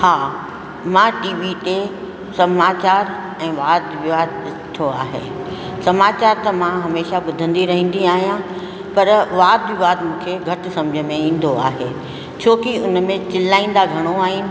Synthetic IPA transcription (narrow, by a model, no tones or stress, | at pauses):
haː | mãːʈiːʋiʈ̪e | sɐmaːt͡ɕaːɾ | ɛ̃ːʋaːd̪ʋɪʋaːd̪ɗɪst̪ʰoaːɦḛː | sɐmaːt͡ɕaːɾt̪ɐmãɦɐmeːʃaɓʊd̪ʱə̃nd̪iɾɐɦĩːn̆d̪iaːɦijã | pɐɾʋaːd̪ʋɪʋaːd̪mũːkʰeɡʱɐʈ̆sɐ̃md͡ʑʱəmẽĩːn̆d̪oa̰ːɦeː | t͡ɕʰoːkiʊnmẽt͡ɕɪlaːĩːn̆d̪aɡʱɐɽ̃oaːɦɪnɪ̆